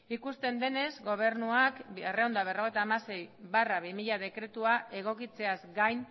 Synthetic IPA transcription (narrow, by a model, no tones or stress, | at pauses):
ikust̪e̞nd̪e̞ne̞zɡo̞β̞e̞ɾnuakereo̞nd̪aβ̞e̞ro̞ɣ̞e̞jt̪aːmase̞jβaraβimiʎað̞e̞kɾe̞t̪uae̞ɣ̞o̞kit͡se̞azɡajn